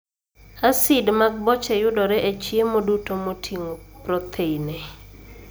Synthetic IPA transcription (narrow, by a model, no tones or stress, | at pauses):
asidmaɡ̚bɔt͡ʃɛjʊdɔɾɛʔet͡ʃjemodutomotʰiŋopɾɔt̪ʰeine